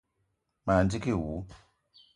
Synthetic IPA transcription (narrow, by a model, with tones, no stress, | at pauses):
ma˨ndi˦ki˦˨wu˨˦